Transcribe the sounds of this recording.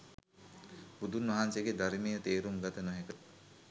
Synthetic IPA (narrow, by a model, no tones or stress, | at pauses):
bud̪unʋɐɦanseɡed̪aɾimejət̪eːɾumɡat̪ənoɦekət̪